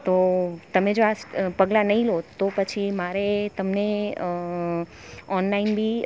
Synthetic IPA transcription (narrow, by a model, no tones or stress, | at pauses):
t̪ot̪əmed͡ʒoaspəɡlanəɦĩlot̪opət͡ʃʰimaɾet̪əmne | ɔnlainbʱi